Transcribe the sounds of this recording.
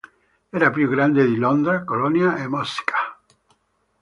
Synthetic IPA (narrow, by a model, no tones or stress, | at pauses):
ɛːɾapjuɡɾand̪ed̪ilɔnd̪ɾakolɔnjaemɔskʰḁ